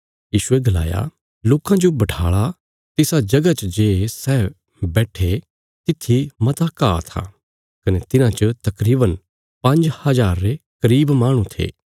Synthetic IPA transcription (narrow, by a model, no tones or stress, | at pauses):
jiːʃʊeɡɐla̰ːja̰ | loːkãd͡ʒobɐʈʰaːɭa | t̪ɪsad͡ʒɐɡat͡ʃəd͡ʒeːsɛː | bɛːʈʰe | t̪ɪt̪ʰːimɐt̪aka̰ːt̪ʰa̰ː | kɐnet̪ɪnãt͡ʃət̪ɐkɾiːbən | pɐ̃ɲd͡ʒhɐzaːɾːekɐɾiːbmaːɽ̃ũt̪ʰḛː